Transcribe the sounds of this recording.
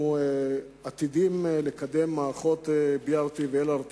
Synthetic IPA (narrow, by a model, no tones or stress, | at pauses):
at̪id̪imlekad̪emːaːχot̪ebjaʁt̪iveelaɾt̪